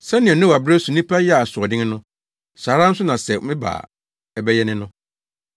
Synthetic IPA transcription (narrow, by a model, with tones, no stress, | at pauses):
sɛ̃˦nɪ̃˨ɛ˨nʊ̃˦wa˨bɾɛ˦sʊ˨nĩ˦pʰa˦jɛ˦a˨sʊ˨ɔ˨dɪ̃˦ŋ˦nʊ̃˦ | saː˨ɾã˦n̩˦sʊ˦nã˨sɛ˨mɪ̃˦ba̰ː˨ | ɛ˦bɛ˦jɛ˦nɪ̃˦nʊ̃˦